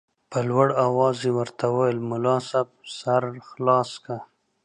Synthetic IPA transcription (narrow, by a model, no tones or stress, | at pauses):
pəlwaɽawɑzewəɾt̪ʰawajlmʊlɑsab̚saɾxlɑska